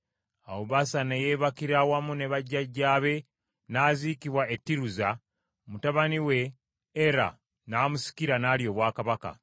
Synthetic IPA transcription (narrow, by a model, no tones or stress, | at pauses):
awoβasanejeːβakiɾawamune̞βaɟːaɟːaːβe̞ | nazikiβwaʔetːiɾuza | mutaβaniwe̞ː | ɾa̰ | naːmusi̥kiɾanaːljo̞ːβwaːkaβaka̰